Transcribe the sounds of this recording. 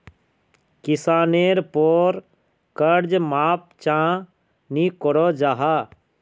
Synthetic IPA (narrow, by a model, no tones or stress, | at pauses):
kɪsaːneːɾpoːɾ | kəɾd͡ʒmaːp̚t͡ʃãː | nikɔɾoːd͡ʒaːɦaː